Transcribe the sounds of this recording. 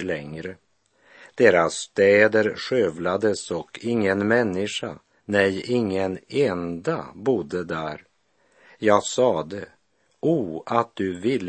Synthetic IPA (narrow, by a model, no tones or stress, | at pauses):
lɛŋɾə | d̪̥eːɾasːt̪ɛːd̪əɾɧøːvlad̪əsɔkʰɪŋːənmɛnːɪʂa̰ | nɛjɪŋːənɛnd̪abʊd̪əd̪æːɾ | jɑːɡsɑːd̪ə | uːat̪̚d̪ɵvɪlː